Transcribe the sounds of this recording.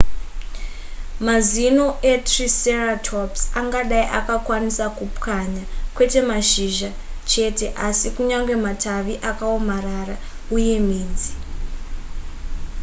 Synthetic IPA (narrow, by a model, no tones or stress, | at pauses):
mazino̞ʔetriseratʰopsaŋɡaɗaiʔakakwanisakupkaɲakwe̞te̞maʃiʒa | t͡ʃe̞te̞ʔasikuɲaŋɡwe̞matʰaʋiʔakaomarara | uje̞miːnd͡zi